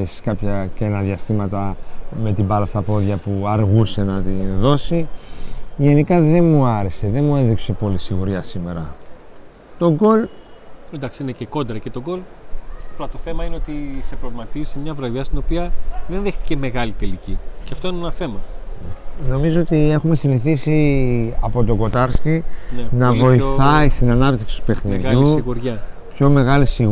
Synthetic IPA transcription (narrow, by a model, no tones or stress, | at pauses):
esi̥kɐpçɐcenɐðiɐst̪imɐt̪ɐme̞t̪ibɐɾɐst̪ɐpo̞ðʝɐpuɐɾɣuse̞nɐt̪inðo̞si | ʝe̞nikɐðe̞nmuɐɾese̞ðe̞nmueðikse̞po̞lisiɣuɾiɐsime̞ɾɐ | t̪o̞ɡo̞lend̪ɐksineceko̞nd̪ɾɐce̞t̪o̞ɡo̞lplɐt̪o̞θe̞mɐineo̞t̪isepɾovmɐt̪izi̥semɲɐvɾɐðɐst̪ino̞piɐðenðext̪i̥ceme̞ɣɐlit̪e̞liciceɐft̪o̞inenɐθe̞mɐ | no̞mizo̞ot̪ie̞xume̞siniθisiɐpo̞t̪o̞ɡo̞t̪ɐɾscinɐvo̞iθɐist̪inɐnɐpt̪i̥ksi̥t̪u̥pe̞xniʝuɣuɾʝɐ | pço̞me̞ɣɐlisiɣ